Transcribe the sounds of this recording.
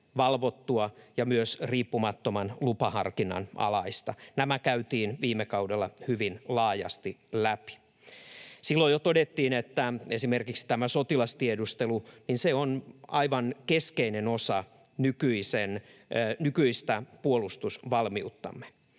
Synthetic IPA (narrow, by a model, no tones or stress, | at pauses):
ʋɑlʋot̪ːuɑjɑmyøsriːpːumɑt̪ːomɑnlupɑhɑ̰rkinɑ̰nʔɑ̰lɑist̪ɑnæmækæyt̪iːnʋiːmːekɑudelːɑhyʋinlɑːjɑ̰st̪ilæpi̥ | silːojot̪odet̪ːiːnet̪ːæesimerkiksi̥t̪æmæsot̪ilɑst̪iedust̪eluninseonɑiʋɑnkeskeinenosɑ | nykyisennykyist̪æpuolust̪usʋɑlmiut̪ːɑ̰mːe̥